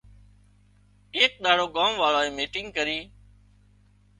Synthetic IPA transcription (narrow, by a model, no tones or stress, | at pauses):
eːk̚ɗ̪aːɽoːɠaːmʋaːɭoːeːmiːʈɪ̃ŋɡ̚kəɾiː